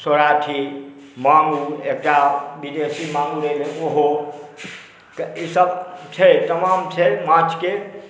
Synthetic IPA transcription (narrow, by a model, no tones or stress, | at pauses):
soɾaʈʰi | maŋɡuek̚ʈabid̪esimaŋɡuleleoɦo | kisəbt͡ʃʰəjt̪əmamt͡ʃʰəjmãt͡ʃʰke